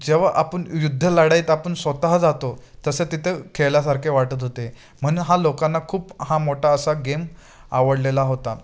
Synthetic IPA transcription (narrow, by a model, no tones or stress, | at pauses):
d͡ʑeʋaʔapəɳjud̪ʱːəlaɽaiːt̪apəɳsʋət̪aɦəd͡zat̪ot̪əset̪it̪ʰekʰeljasaɾkʰeʋaʈət̪ɦot̪e | m̤əɽ̃uːnɦalokãnːakʰuːphamoʈʰaəsaɡem | a̰ʋəɽlelaɦot̪a